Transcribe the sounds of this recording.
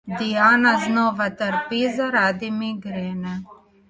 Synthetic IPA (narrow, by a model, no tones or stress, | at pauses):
d̪ijaːnaznoːʋat̪əɾpizaɾaːd̪imiɡɾeːnɛ